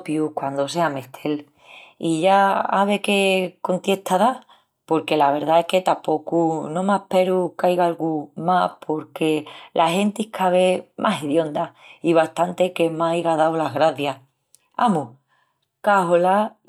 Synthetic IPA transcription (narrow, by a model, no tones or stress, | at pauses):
pjukwand̪o̞se̞ame̞ht̪ʰe̞l | iʝaaβe̞keko̞nt̪je̞ht̪aða | po̞ɾke̞laβ̞e̞ɾðaehke̞t̪apo̞kunõ̞mehpe̞ɾukajɣaalɣumapʰo̞ɾke̞lʔahe̞nt̪ihkʰaβe̞mʔaseðjo̞nd̪aiβast̪ant̪e̞ke̞maiɣaðawlaɣɾaθja | a̰mu | kaɦola